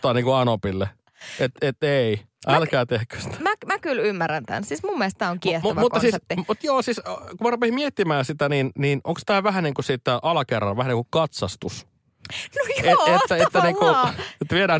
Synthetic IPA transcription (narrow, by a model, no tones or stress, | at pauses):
t̪ɑːniːŋkuɑnopilːe | et̪et̪ːei | ʔælkkæːt̪ehkø̥si̥t̪æ̥mæmækylymːærænt̪æ̰nsismumːelst̪æːoŋkiɛhtmæʋmutk̪ːɑsiːsepːimut̪joːsiskumærupesimiet̪ːimæːnsit̪æninniːno̰ŋkst̪æːʋæɦæniːŋkusiːt̪ːæʔɑlɑkerːɑ̰ʋæhæniːŋkukɑt̪sɑst̪us | neetːæeːæniːkut̪ʋieɾæː